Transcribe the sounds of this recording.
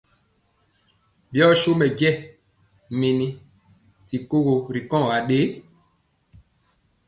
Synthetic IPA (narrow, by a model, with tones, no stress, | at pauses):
bjɔ˦ʃo˦mɛ˨ɡɛ˦˨ | me˨ni˨ | ti˨ko˦ɣo˨ɾi˨kɔ̃˦˨ɣa˨ɗe˦